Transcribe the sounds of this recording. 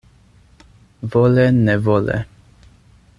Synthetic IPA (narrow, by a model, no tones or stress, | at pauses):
vɔlɛnɛvɔlɛ̰